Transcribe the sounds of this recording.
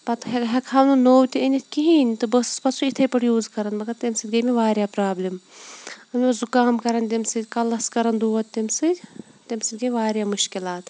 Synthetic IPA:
pɐt̪ɦɦɐkʰɐmnunoːwt̪ʲiinʲit̪ʰʲkiɦiːnʲt̪ɨbəsɨ̥spɐt̪sʰuit̪ʰɐpɐʈjuːzkɐɾɐnmɐkɐt̪imsɨd̪ɡɐjmeʋaːɾʲjaːpɾaːblʲim | ɐnʲɐzukaːmkɐɾɐnt̪ʲimsɨd̪ʲkɐlːɐskɐɾɐnd̪uːɐt̪t̪ːimsɨdʲ | t̪emsɨd̪ʲɡɐʋaːɾjaːmuʃkilaːt̪

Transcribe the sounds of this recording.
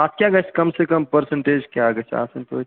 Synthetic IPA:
aːt̪kʲjaɡɐt͡ʃʰkɐmsekəmpəɾsə̃ɳʈeːd͡ʒkeaɡɐt͡ʃʰa̰ːsɐ̃nt̪o̰

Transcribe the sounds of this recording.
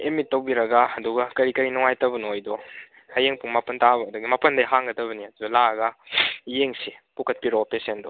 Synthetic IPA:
emitːɐwbiɾɐɡaɐduɡakɐɾikɐɾinɔŋajtɐbɐnojdɔ | hajeŋpuŋmapɐntabɐdɐɡimapɐndɐjɦaŋɡɐdɐβɐniɐdudɔlaɡɐjeŋsipukʰɐt̚piɾɔpesendɔ

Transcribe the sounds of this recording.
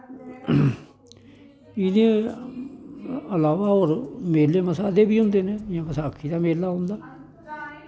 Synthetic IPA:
ɪd̪ẽ | əlaːʋaːoːɾmeːlːeːməsaːd̪eːbiːɦʊ̃nd̪eːnẽːɪãːməsaːkʰːiːd̪aːmeːlːaːɦʊ̃nd̪aː

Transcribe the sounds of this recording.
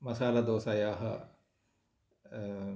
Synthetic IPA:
mɐsaːlɐd̪oːsɐjaːɦɐ

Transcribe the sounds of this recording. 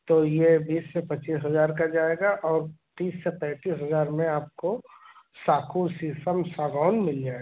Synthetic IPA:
t̪ojebiːsːepɐt͡ʃiːsɦɐzaːɾkad͡ʒaːeːɡaʔɔːɾt̪iːsːepɛ̃ːt̪iːsɦɐzaːɾmẽaːp̚ko | saːkʰusisəmsaːɡaːʊnmɪld͡ʒaːeɡ

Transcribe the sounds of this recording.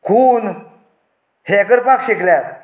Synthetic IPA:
kʰun | hekəɾpakɕeklæt̪̚

